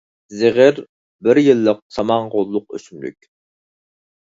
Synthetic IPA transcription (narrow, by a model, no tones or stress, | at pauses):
zɪʁɪɾ | bɪɾjilˠːəq̚sɑmɑɴʁolˠːʊq̚ø̰symly̰kʲ